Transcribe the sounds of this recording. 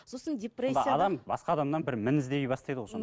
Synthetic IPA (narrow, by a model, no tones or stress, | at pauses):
sosəndʲepred̪jɑd̪ɑmbɑsqɑːd̪ɑmd̪ɑnbɪɾmɪnɪzd̪ejbɑst̪ɑjd̪əʁojsʰon